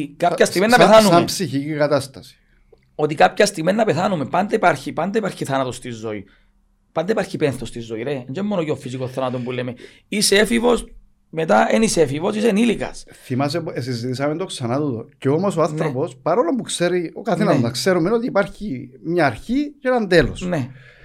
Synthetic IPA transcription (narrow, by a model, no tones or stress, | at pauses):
kaçɐst̪iɣmennːɐeθanuampsiçicikɐt̪ɐst̪ɐsi̥ | ot̪ikapçɐst̪iɣmenːɐpeθanumepɐnd̪eipaɾçipɐnd̪eipaɾçiθɐnɐt̪o̞st̪izːoi | pɐnd̪eipaɾçipenθost̪izːoiɾeɲd͡ʒemːonoceofisikoθɐnat̪ompuleme | iseefivo̞s | me̞t̪aenisefivo̞sisenilikɐ̰sθimɐs̬epes̬izit̪is̬ɐment̪o̞ksɐnat̪ut̪o̰ceomo̞soanθɾopospɐɾolompukseɾiokɐθenɐznɐkseɾumenot̪iːpaɾçimɲaːɾçiceenɐnd̪elosne